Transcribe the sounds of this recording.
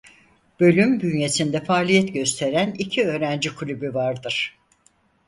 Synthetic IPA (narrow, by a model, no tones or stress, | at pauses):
b̥ø̞lʲymbynje̞sind̪ɛfaːlʲijɛt̪ɟø̞st̪ʰe̞ɾænicʰiø̞ːɾænd͡ʒikʰulʲybyvaɾd̪ɯɾ̥